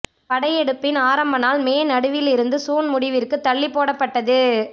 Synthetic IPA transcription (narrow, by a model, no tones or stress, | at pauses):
pɐɽɐjɛɽɯpːɪnaːɾɐmbɐnaːlmeːnɐɽɯʋɪlɪɾɯnd̪ɯsuːnmʊɽɪʋɪrkɯt̪ːɐɭːɪpːoːɽɐpːɐʈːɐðɯ